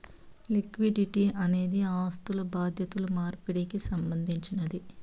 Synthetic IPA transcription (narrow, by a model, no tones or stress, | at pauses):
likʋiɖiʈiɐne̞ːd̪iaːst̪ulɐbaːd̪ʱjɐt̪ulumaːɾpiɽikisɐmbɐnd̪ʱiɲt͡ʃinɐd̪i